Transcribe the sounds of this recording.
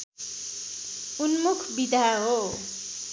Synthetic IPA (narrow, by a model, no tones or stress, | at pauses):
unmukʰbid̪ʱaɦo